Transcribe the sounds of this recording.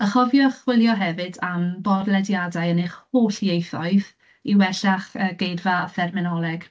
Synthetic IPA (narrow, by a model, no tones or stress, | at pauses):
əχɔvjɔχwɪlˠjɔɦɛvɨdambɔdlɛdjadajənɪχhoːɬjejθɔɨð | iwɛɬaχəɡ̥ejdvaθɛrmɛnɔlˠɛɡ̥